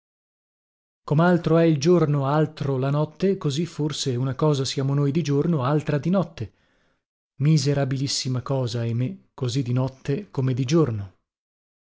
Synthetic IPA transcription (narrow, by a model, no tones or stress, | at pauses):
komalt̪ɾoɛild͡ʒornoalt̪ɾolanɔt̪ːekoziforseunakɔːzasjaːmonojd̪id͡ʒornoalt̪ɾad̪inɔt̪ːe | mizeɾabilisːimakɔːzaemekːozid̪inɔt̪ʰːekomed̪id͡ʒorno